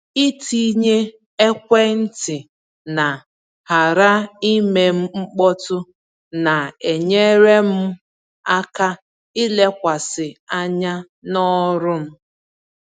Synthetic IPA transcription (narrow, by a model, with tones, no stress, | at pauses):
i˦ti˦ɲe˦ | e˦kʷe˦n̩˦tɪ˨ | na˨ | ha˨ɾa˦i˦me˨m̩˦ŋ͡m̩˦k͡pɔ˦tʊ˦ | na˨e˨ɲe˦ɾe˦m̩˦ | a˦ka˦ | i˦le˦kʷa˨sɪ˨a˦ɲa˦ | nɔ˦ɾʊ˦m̩˦